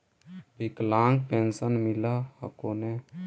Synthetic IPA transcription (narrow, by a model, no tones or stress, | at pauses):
biklaŋɡpẽnsənmilahə̰kone